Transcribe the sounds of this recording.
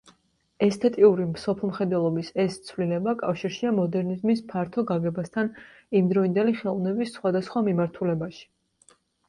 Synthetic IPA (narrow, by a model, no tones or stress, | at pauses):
ɛst̪ʰʼɛt̪ʼiuɾimsɔpʰlˠmχɛd̪wɛlˠɔbisɛst̪sʰvlilɛbakʼafʃiɾʃiamɔd̪ɛɾnizmis̬pʰaɾt̪ʰɔɡaɡɛbast̪ʰan | imd̪ɾɔind̪ɛliχɛlˠvnɛbisːχwad̪asχwamimaɾt̪ʰulɛbaʃi̥